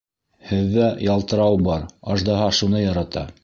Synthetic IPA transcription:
hɘ̆ðːæjɑlˠt̪ɤ̆ɾɑwbɑɾɑʒd̪ɑɦɑʃunɤjɑɾɑt̪ɑ̰

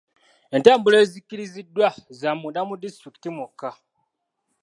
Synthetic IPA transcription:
e̞ntaːmbule̞ːzikiɾizidːwazamudamudistɾiki̥timuka

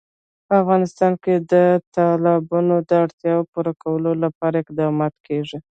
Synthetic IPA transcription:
pəafɣɑnɪst̪ɑnked̪ət̪ɑlɑbunod̪əaɽt̪jɑwopuɾakawəlolapɑɾaɪq̚d̪ɑmɑt̪kʰeʐi

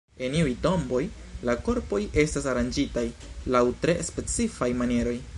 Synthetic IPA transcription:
e̞niujto̞mbo̞j | lako̞ɾpo̞je̞stasaɾand͡ʒitajlawtɾe̞spe̞t͡sifajmanie̞ɾo̞j

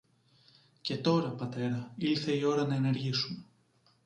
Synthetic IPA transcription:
ce̞t̪o̞ɾɐpɐt̪e̞ɾɐilθe̞io̞ɾɐnɐene̞ɾʝisume̞

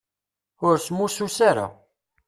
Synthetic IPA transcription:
ʊɾsmːususaɾa̰

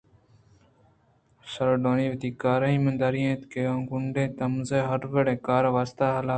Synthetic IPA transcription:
səɾoɖoːniːʋt̪iːkaːɾaːĩːmənd̪aːɾiẽːt̪keːãːŋɡʊɳɖẽːt̪ɐmzeːɦɐɾʋeɽẽːkaːɾʋaːst̪aːɦɐlaː

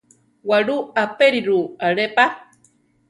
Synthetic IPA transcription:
waɺuapeɾiɾuaɾepa

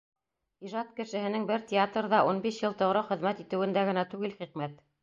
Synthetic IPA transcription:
iʒɑt̪kɘ̆ʃɘ̆hɘ̆nɘŋbɘɾtʲɪat̪rðɑʔunbiʃjɤlˠt̪ɤ̆ʁɾɤχɘ̆ðmæt̪it̪ɘ̆wɘ̆nd̪æɡɘ̆næt̪ʉɡɘlχiqmæt̪

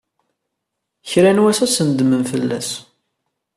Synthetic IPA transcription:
çɾænwæsæsənd̪mənfəlːæ̰s

